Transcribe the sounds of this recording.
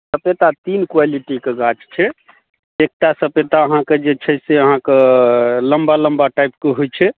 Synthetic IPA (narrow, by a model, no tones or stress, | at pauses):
səpet̪at̪inkwaliʈikeɡat͡ʃt͡ʃʰɛ | ek̚ʈasəpet̪aəɦãked͡ʒet͡ʃʰɛseəɦãkeləmbaləmbaʈajp̚keɦojt͡ʃʰɛ